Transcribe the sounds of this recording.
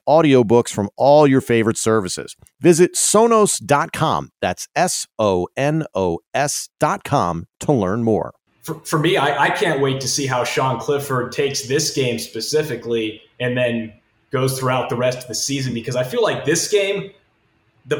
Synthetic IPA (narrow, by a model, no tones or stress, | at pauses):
ɔɾioʊbʊksfɹʌ̃mɔlˠjə˞feɪvə˞ɨtsɜ˞vɨsɪ̰z̥ | vɪzɨtsõʊ̃noʊsd̥ɑt̚kʰɑ̰̃mðætsɛsoʊɛ̃noʊɛsd̥ɑt̚kʰɑ̰̃mtʰəlɜ̃˞nmɔ̰ɹ | fə˞fə˞miaɪʔaɪkʰæ̃nʔ̚weɪtʰɨsiɦaʊʃɑ̃nkʰl̥ɪfə˞d̚tʰeɪksðɪsɡ̥ẽɪ̃mspɨsɪfɨkli | ɨ̃nðɨ̃n | ɡ̥oʊz̥θɹuaʊt̪̚ðəɹɛstʌvðɨsizɨ̃nbɨkʰʌzaɪfilaɪk̚ðɪsɡ̥ẽɪ̃m | ðɨ